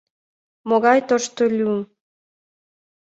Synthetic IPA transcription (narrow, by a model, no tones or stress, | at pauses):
moɣɑjt̪oʃt̪olʲyəm